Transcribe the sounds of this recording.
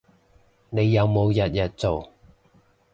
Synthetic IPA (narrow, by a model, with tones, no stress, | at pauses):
ne˨˧jːɐ˨˧wmo˨˧wjɐ˨t̚jɐ˨t̚t͡so˨w